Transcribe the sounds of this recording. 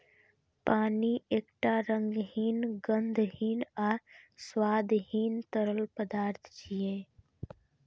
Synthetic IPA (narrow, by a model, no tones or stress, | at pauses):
paːnieːkʈaɾə̃ŋɡɦiːnɡənd̪ʱɦiːnaːɾswaːd̪ɦiːnt̪əɾəlpəd̪aːɾt̪ʰt͡ʃiẽː